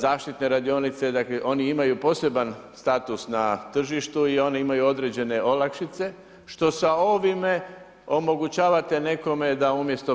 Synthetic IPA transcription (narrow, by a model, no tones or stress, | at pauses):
zaːʃt̪it̪ne̞ɾad̪io̞nit̪se̞d̪akleʔo̞niimajupo̞se̞banst̪at̪usnat̪r̩ʒiʃt̪uio̞neimajuo̞d̪ɾe̞d͡ʑe̞ne̞ʔo̞lˠakʃit̪se̞ | ʃt̪o̞sao̞ʋime | o̞mo̞ɡut͡ɕaːʋat̪e̞ne̞ko̞me̞d̪aumje̞st̪o̞